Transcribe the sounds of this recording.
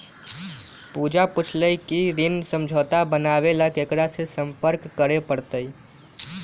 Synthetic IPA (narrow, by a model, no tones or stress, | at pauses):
pud͡ʒaput͡ʃʰləjkiɾinsəmd͡ʒʱɔt̪abənaβelakekɾasesəmpəɾkːəɾepəɾt̪əj